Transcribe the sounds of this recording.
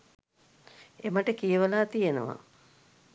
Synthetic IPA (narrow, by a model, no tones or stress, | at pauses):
emaʈəkijəʋəlaːt̪ijenə̰ʋa̰